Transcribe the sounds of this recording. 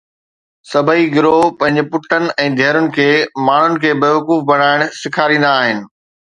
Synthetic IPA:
sɐbʱəiɡɪɾopɐ̃ɦɪ̃ɲd͡ʑpʊʈənɪ̆ɛ̃ːd̪ʱɛːɾʊnɪ̆kʰeːmaːɳ̤ʊnɪ̆kʰeːbeːʋɐkuːfbɐɽ̤aːɪɽ̃sɪkʰaːɾĩːnd̪aːɦɪnɪ̆

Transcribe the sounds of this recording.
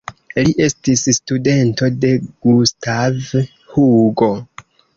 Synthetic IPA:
liʔe̞stisstude̞nto̞de̞ɡ̥ustav | huɡo̞

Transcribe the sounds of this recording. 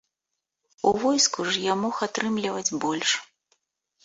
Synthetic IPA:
uvɔjskuʐjamɔxat̪ɾɨmlʲivɐd͡zʲbɔlʲʂ

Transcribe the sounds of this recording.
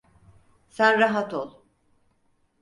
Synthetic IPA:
sænɾaɦat̪ʰolˠ

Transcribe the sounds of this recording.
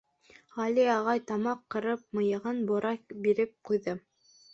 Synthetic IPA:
ʁɑliɑʁɑjt̪ɑmɑqːɤ̆ɾɤp̚mɤ̆jɤ̆ʁɤnbŏɾɑkbiɾɘp̚qujðɤ

